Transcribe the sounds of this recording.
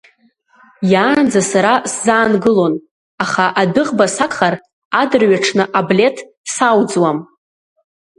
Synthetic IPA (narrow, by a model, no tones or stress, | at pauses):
jaːnd͡zasaɾaszaːnɡɨlo̞n | aχaʔadɨʁbasakχar | adrɥaʈ͡ʂʰnɨʔablʲe̞tʰ | sawd͡zwam